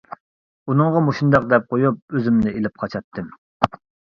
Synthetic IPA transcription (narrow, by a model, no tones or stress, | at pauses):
unɨŋʁɑmoʃund̪ɑq̚d̪ɛp̚qʰojup̚øzymnɪelɪp̚qʰɑt͡ʃʰɑt̪ʰːɨm